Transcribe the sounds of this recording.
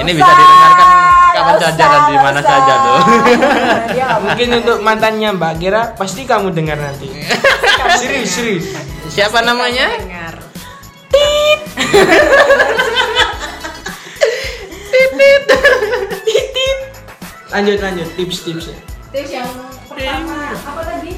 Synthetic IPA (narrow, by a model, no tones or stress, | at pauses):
inibisadianakankapat͡ʃad͡ʒaɾaimanasad͡ʒado | mukɪnunt̪ʊk̚mant̪anɲambaɡeɾapast̪ikamudəŋərnant̪i | sɾisɾissiapanamaɲaŋr | t̪ip̚ | t̪ip̪̚ip̚ | t̪ip̚ | aɲd͡ʒʊt̪aɲd͡ʒʊt̪t̪ɪpst̪ɪps | a | pəramaapat̪adi